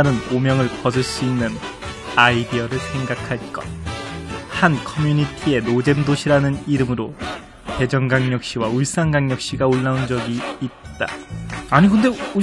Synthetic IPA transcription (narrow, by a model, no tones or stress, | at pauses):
ɾɯnomjʌŋɯɭkʌs̬ʰɯɭs͈uinːɯn | aidiʌɾɯɭsʰe̞ŋɡakʰaɭk͈ʌt̚ | hankʰʌmjuɲitʰie̞nod͡ʑe̞mdoɕʰiɾanɯniɾɯmɯɾo | pe̞d͡ʑʌŋɡaŋɲʌk̚ɕ͈iwauɭs͈anɡaŋɲʌk̚ɕ͈iɡaoɭːaund͡ʑʌɡiːt̚t͈a̰aɲiɡɯnde̞u